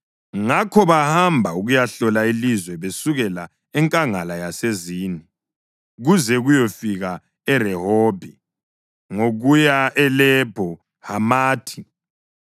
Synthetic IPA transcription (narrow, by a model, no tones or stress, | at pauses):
ŋakʰɔβahambʱauɣujaɬɔlailizwɛβesuɣɛla | ɛŋkʼaŋalajaseziːni | ɣuzɛɣujɔfiɣa | ɛrɛhoːb̥ʱi | ŋoɣujaʔɛlɛb̥ʱɔ | hamaːtʰi̥